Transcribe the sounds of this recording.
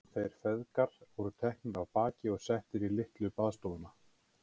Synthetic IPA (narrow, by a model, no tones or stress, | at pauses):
θejɾ̥fɛðkaɾ̥vɔɾʏt̪ʰɛhknɪɾavpaːcɪɔɣsɛht̪ɪɾilɪht̪lʏpaðst̪owðʏna